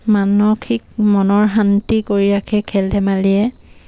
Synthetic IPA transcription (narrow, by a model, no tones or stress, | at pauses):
manɔkʰik̚mɔnɔɹɦantikoɹiɹakʰɛkʰɛldɛmaliɛ